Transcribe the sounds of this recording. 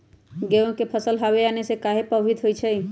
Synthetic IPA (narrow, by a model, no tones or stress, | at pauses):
ɡeõkepʰəsəlɦaʋeanesekaɦepəbɦit̪ɦojt͡ʃʰɛ